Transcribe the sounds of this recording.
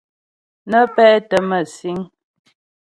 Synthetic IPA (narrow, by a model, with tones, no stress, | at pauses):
nə˦pɛ˦tə˨mə˨si˨˦ŋ